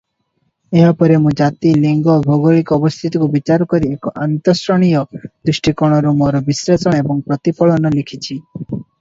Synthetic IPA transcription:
eɦɔpɔɾemũd͡ʒat̪iliŋɡɔbʱɔɡoɭikɔːbɔst̪ʰit̪ɔkubit͡ʃaɾɔkɔɾiekɔʔant̪ɔsɾɔɽ̃ijɔd̪ɾisʈʰikɔɽ̃ɔɾumɔɾɔbisɾet͡ʃɔɽ̃ebɔŋpɾɔt̪ipɔɭɔnɔlikʰit͡ʃʰi

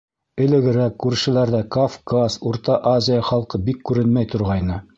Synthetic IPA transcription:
ɘ̆lɘ̆ɡɘ̆ɾækːʉɾʃɘ̆læɾðækofkasuɾt̪ɑʔazʲɪjaχɑlˠqɤbikːʉɾɘnmæjt̪ŏɾʁɑjnɤ

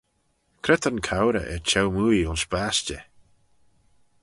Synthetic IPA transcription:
kʰɾɛt̪ʰənkʰawɾə̰ʔɛt͡ʃʰɛwmuːiʊnsbast͡ʃə̰

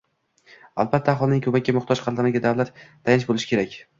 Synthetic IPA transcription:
a̰lbat̪ʰːaχɒlˠnɪŋʲkʰɵmakʲːamʊχt̪ʰɒʃqʰɑld̪amaɡʲad̪awlat̪ːʰ | ajɪnɪʃbolɪʃɪ̥kʰʲe̞ɾakʲ

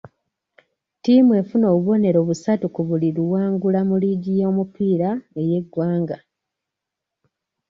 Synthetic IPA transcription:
timue̞funo̞ːβuβo̞ne̞ɾo̞ːβusatukuβuliɾuwaːŋɡulamuliɟijo̞ːmupiːɾaeje̞ɡwaːŋɡa

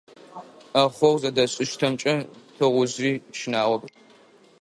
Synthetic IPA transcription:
ɐχʷɔwzɐdɐɕʼɪʃtʰɐmt͡ʃʼɐtʰɐʁʷʊziːʃɪnaːwɔb

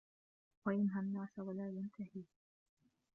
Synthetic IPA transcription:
wajɪnɦanːaːsawalaːjant̪ʰahiː

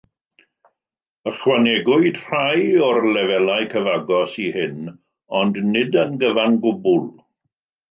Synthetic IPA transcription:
əχwanɛɡʊɨd̥r̥ajɔrlɛvɛlajkʰəvaɡɔsihɪn | ɔndnɪdənɡəvanɡʊbʊlˠ

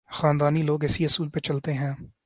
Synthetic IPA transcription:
xaːnd̪aːniːloːɡɛːsiːəsuːlpet͡ʃəlt̪eːɦɛ̃ː

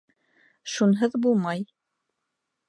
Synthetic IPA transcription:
ʃunɦɤðbulˠmɑj

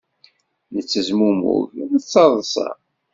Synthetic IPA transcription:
nət͡sːəzmumṵʝðət͡sːɑðˤsˤɑ̰

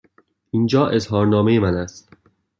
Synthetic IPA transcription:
ʔind͡ʒɒːʔe̞zɦɒːɾnɒːme̞jemænæst̪

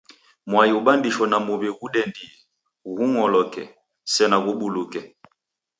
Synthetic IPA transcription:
mwajiubambiʃwɔnamuβɛɣuɗɛndi | ɣuŋɔlɔkɛ̰ | sɛnaɣuɓulukɛ

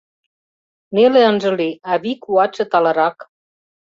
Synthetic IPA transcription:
neleə̆nʒɤ̆liɑβikuɑt͡ɕɤ̆t̪ɑlɤ̆ɾɑk

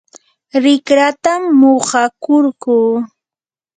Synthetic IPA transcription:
ɾɪkɾat̪amːoɢɑkʊɾkuː

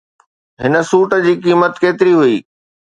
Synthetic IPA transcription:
ɦɪnə̆suːʈə̆d͡ʑiːkiːmət̪keːt̪ɪɾiɦuiː

